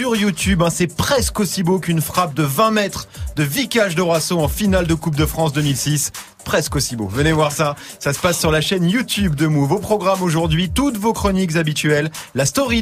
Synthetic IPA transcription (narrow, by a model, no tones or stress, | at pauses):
yʁjut̪ybɛ̃sɛpχɛskosibokynfχap̚d̪əvɛ̃mɛt̪χd̪əvikʲaʒd̪əʁwasɔ̃ɑ̃finald̪əkup̚d̪əfχɑ̃s̬d̪əmilsis | pχɛskosibovənevwaʁsa | sasə̥pasːyʁlaʃɛnjut̪yb̚d̪əmuvopχɔɡʁamoʒuʁd̪ɥit̪ut̪vokχɔnikzabit̪ɥɛlːast̪ɔʁi